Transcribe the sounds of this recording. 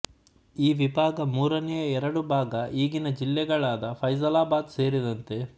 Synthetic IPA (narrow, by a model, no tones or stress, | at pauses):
iːʋibʱaːɡɐmuːɾɐnɛjɐɛɾɐɽubʱaːɡɐʔiːɡinɐd͡ʒilːɛɡɐɭaːd̪ɐpʰɐjsɐlaːbaːd̪se̞ːɾid̪ɐnt̪e̞